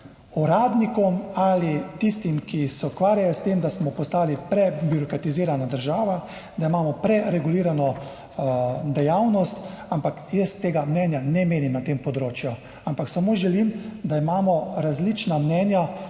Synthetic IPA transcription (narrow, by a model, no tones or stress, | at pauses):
uɾaːd̪nikɔmalit̪ist̪imkisɛukʋaːɾjajɔst̪eːmd̪asmɔpɔst̪aːlipɾɛbjuɾɔkɾat̪iziːɾanad̪əɾʒaːʋa | d̪aimaːmɔpɾɛɾɛɡuliːɾanɔ | d̪ɛjawnɔst̪ampakjəst̪ːeːɡamnɛnjanɛmeːnimnat̪eːmpɔd̪ɾoːt͡ʃju | ampaksamoːʒɛlimd̪aimaːmɔɾazlit͡ʃnamnɛnja